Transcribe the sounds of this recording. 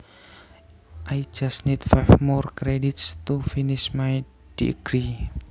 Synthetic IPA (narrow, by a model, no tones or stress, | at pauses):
ʔaj̥d͡ʒ̥asnit̪fajfmɔrkɾeɖit̪st̪ufinɪsmaj | d̥ḭɡ̥ɾi